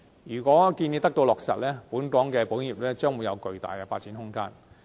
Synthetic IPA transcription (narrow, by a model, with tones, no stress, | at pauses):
jyː˨˩kʷɔː˨˥kiː˧ni˨˧t̪ɐ˥k̚t̪o˧wlɔː˨k̚sɐ̰˨t̚lɛː˥puː˨˥nkɔː˨˥ŋkɛː˧po˨˥jiː˨p̚lɛː˥t͡ʃœː˥ŋwuː˨˧jɐ˨˧wkɵ˨˧ɥt̪a̰ː˨jkɛ˧faː˧t̚t͡siː˨˥nɦʊ˥ŋkaː˥n